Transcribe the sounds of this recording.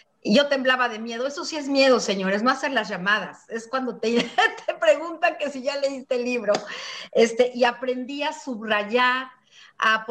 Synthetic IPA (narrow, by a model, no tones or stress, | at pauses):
iʝo̞t̪e̞mblaβaðe̞mje̞ð̞o̞e̞so̞sie̞zmje̞ð̞o̞se̞ɲo̞ɾe̞znoase̞ɾlazʝamað̞ase̞skwand̪o̞t̪et̪ʰepɾe̞ɣunt̪ake̞siʝale̞ist̪eliβɾo̞e̞st̪e̞ʔiapɾe̞nd̪iasuβraʝaɾ | ap